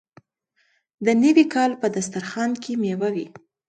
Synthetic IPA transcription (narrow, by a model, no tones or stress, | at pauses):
d̪ənəwikɑlpəd̪ast̪aɾxɑnkʰemewawi